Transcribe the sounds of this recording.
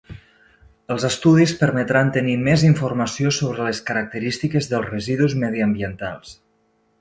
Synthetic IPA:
əlˠzəst̪uðispəɾmət̪ɾant̪ənimeziɱfurməsiosoβɾələskəɾək̚t̪əɾist̪ikəzðəlˠzrəziðuzməðiəmbiənt̪a̰lˠs

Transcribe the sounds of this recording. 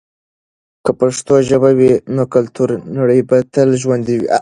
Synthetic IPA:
kapaʂt̪oʒəbawinokalt̪uɾnaɽəjbat̪əlʒwand̪iwḭ

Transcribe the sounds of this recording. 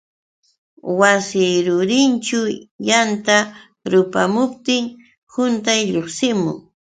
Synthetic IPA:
wasɪjɾʊɾɪnt͡ʃʊjant̪a | ɾʊpamʊp̚t̪ɪŋ | hʊnt̪ajʎoχsɪmʊ̰ŋ

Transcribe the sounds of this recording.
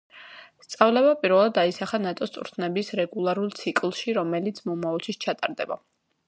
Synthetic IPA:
st̪sʼavlɛβapʼiɾvɛlˠad̪aisaχanat̪ʼɔst̪ʼvɾt̪ʰnɛbisɾɛɡulˠaɾulˠt̪sʰikʼlˠʃiɾɔmɛlit̪sʰmɔmaɔlˠt͡ʃʰist͡ʃʰat̪ʼaɾd̪ɛba̰

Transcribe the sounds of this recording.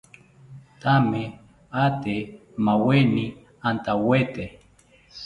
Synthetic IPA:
t̪ame | at̪e | maweni | ant̪awet̪e

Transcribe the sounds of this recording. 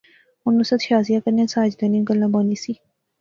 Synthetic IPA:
ʊnːusət̪ʃaːzijãːkəɾnãːsaːd͡ʒd̪ãnĩːɡəlːãːbaːniːsiː

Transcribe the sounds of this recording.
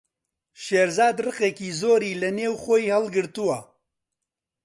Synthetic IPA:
ʃeːɾzaːd̪rɨqeːkiːzoːɾiːlɐneːwxojhɐlɡɨɾt̪uwɐ

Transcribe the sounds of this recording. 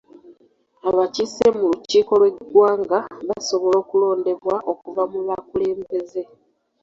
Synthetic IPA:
aβacisemuluciːko̞lwe̞ɡwaːŋɡaβaso̞βo̞lo̞ːkulo̞ːnde̞βwaʔo̞kuvamuβakule̞ːmbe̞ze̞

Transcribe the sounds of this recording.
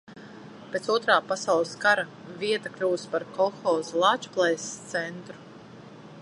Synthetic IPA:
peːt̪suɔt̪ɾaːpasawlˠɨskaɾa | vʲiɛt̪aklʲuːspaɾkɔxɔːzlˠaːt͡ʃu̥plˠɛjst̪sɛnt̪ɾu̥

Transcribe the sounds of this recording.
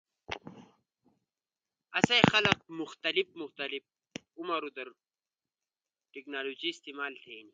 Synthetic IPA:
ɐsɐjxɐlɐq̚muxt̪ɐlifmuxt̪ɐlif̚ | umɐɾud̪ɐɾ | ʈiknaːloːd͡ʑiːst̪iːmaːlt̪ʰeːni

